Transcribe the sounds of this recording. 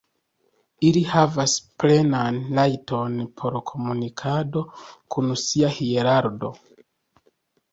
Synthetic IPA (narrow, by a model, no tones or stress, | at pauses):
ilihavasple̞nanlajto̞npʰo̞ɾkʰo̞munikʰado̞kʰunsiahieɾaɾdo̞̰